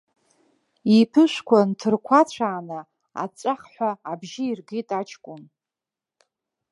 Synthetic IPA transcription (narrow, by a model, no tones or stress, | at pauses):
ipʰɨʃʷkʷʰantʰɨrkʷʰat͡ɕʷʰaːna | a̰t͡ʃʷʼaχħʷaːbʒiirɡitʼat͡ʃʰkʷʼʊn